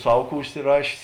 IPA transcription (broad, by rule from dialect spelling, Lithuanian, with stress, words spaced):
ˈsɐw ˈkuː ʊʃʲsʲɪˈrɑːʃʲeːs